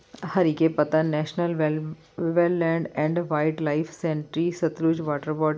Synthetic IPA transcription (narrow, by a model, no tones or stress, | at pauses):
hɐɾikepɐt̪anɛːʃnəlʋ | ʋelːɛ̃ːɳɖɛ̃ːɳɖʋaɪʈlaɪfʰsẽɳʈɾisɐt̪ɾuːd͡ʒʋɔːʈəɾbɔːʈ